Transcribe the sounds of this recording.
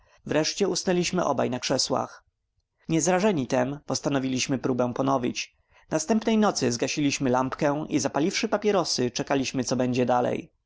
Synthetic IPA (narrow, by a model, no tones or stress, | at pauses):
vɾɛʂt͡ɕɛusnɛlʲiɕmɘʔɔ̰ba̰jnakʂɛswa̰x | ɲɛzɾaʐɛɲit̪ɛmpɔst̪anɔvʲilʲiɕmɘpɾubɛw̃pɔnɔvʲit͡ɕ | nast̪ɛmpnɛjnɔt̪sɘzɡaɕilʲiɕmɘlampkɛʔḭzapalʲifʂɘpapʲjɛɾɔsɘt͡ʂɛkalʲiɕmɘt̪sɔbɛɲd͡ʑɛd̪alɛ̰j